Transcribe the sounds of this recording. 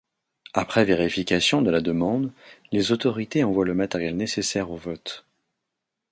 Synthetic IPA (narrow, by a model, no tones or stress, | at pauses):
apχɛveʁifikʲasjɔ̃d̪əlad̪əmɑ̃d̪lezot̪ɔʁit̪eɑ̃vwaləmat̪ɛʁjɛlnesesɛʁovɔt̪